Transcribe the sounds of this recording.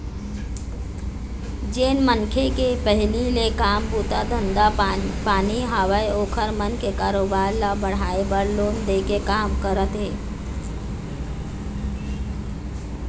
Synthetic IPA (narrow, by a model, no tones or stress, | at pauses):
d͡ʒeːnmənkʰekepəɦɪlilekaːmpuːt̪ad̪ʱənd̪apaːniɦaʋəjoːkʰəɾmənkekaːɾoːbaːɾlabəɽ̤aebəɾloːnd̪eːkekaːmkəɾət̪ɦeː